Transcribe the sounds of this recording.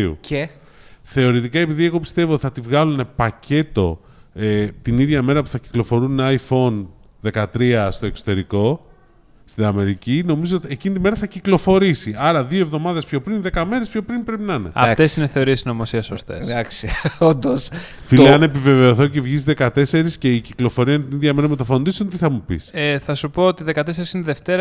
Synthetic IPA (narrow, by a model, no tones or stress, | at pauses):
ṵe | θe̞o̞ɾit̪ikɐe̞piðie̞ɣo̞pi̥st̪e̞voot̪i̥θɐt̪ivɣɐlune̞pɐce̞t̪o̞ | et̪iniðʝɐme̞ɾɐpuθɐci̥klo̞fo̞ɾunɐjfo̞n | ðe̞kɐt̪ɾiɐst̪o̞e̞kso̞t̪e̞ɾiko̞ | st̪inɐme̞ɾicino̞mizoot̪iecinit̪ime̞ɾɐθɐciklo̞fo̞ɾisiɐɾɐðio̞e̞vðo̞mɐðe̞spço̞pɾinðe̞kɐme̞ɾespçopɾinpɾe̞pinɐne̞̰ɐ̰fesineθe̞o̞ɾiesno̞mosiɐsost̪eðsɐksond̪osfileɐne̞pive̞ve̞o̞θo̞cevʝisðe̞kɐt̪e̞se̞ɾisce̞iciklo̞fo̞ɾiɐinet̪iniðʝɐme̞ɾɐmet̪ɐfo̞nd̪isont̪iθɐmupḭsθɐsupo̞ot̪iðe̞kɐt̪e̞se̞ɾisineðeft̪e̞ɾɐ